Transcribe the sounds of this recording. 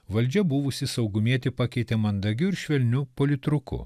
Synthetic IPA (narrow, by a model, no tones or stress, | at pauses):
ʋɐlʲd͡ʒʲɛbʊʋʊsʲɪsɐʊɡʊmʲiɛt̪ʲɪpɑkʲɛɪt̪ʲemɐnd̪ɐɡʲʊɪɾʃʲʋʲɛlʲnʲupoːlʲɪt̪ɾʊkʊ̰